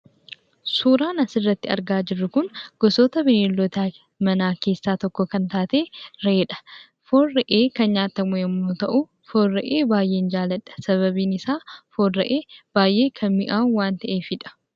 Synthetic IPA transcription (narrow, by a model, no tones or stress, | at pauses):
suːɾaːnɐsɪrːɐt̪ːɪɐ̰ɾɡaːd͡ʒɪrːʊkʊnɡ̥ɔsoːt̪ɐbɪneːlːɔt̪aː | mɐnaːke̞ːsːaːt̪ɔkːɔkɐnt̪aːt̪e̞ːɾeːᶑɐ̥ | fo̞ːrɐʔeːkɐnɲaːt̪ːɐmʊjɛmːoːt̪ɐʔʊ | fo̞ːrːɐʔeːbaːjʔe̞ːnd͡ʒaːlɐᶑɐ̥sɐβɐbiːnɪsaːfo̞ːrːɐʔeːb̥aːjʔe̞ːkʰɐnmɪ̰ʔaːwaːnt̪ɐʔe̞ːfɪᶑɐ̥